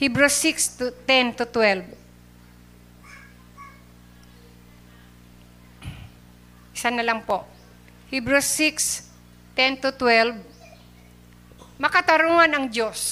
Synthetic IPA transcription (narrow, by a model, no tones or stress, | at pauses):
hibɾosikst̪t̪ɛnt̪ʊt̪wɛlb | ʔɪsanɐlɐŋpoʔ | hibɾʊsːiks | t̪ɛnt̪ʊt̪wɛlb̚ | mɐkɐt̪ɐɾoŋanɐŋd͡ʒos